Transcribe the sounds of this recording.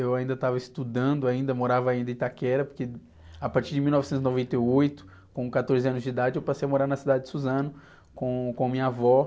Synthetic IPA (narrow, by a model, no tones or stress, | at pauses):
ewaĩd̪ɐt̪avɐɪst̪ud̪ɐ̃nd̪ʊaĩnd̪ɐmoɾavɐaĩnd̪ɐɪ̃t̪akɛɾɐpoɾke | apaɾt͡ʃiɾd͡ʒɪmiwnɔvɪsẽt̪ʊzɪnovẽnt̪eojt̪ʊ̥ | kõkat̪oɾzɪɐ̃nʊzd͡ʒɪid̪ad͡ʒɪewpasejɐmoɾaɾnɐsid̪ad͡ʒɪd͡ʒɪ̥suzɐ̃nʊ | kõkõmĩɲɐavɔ